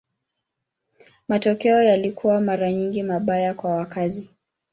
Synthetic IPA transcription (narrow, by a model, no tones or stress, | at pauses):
matɔkɛɔjalikʰuwamaɾaɲiŋɡimaɓajakwawakazi